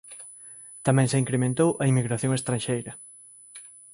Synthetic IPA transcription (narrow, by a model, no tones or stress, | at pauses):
t̪amɛ̃ŋseiŋkɾemẽnt̪owʔɐimiɣɾaθjõŋest̪ɾanʃejɾɐ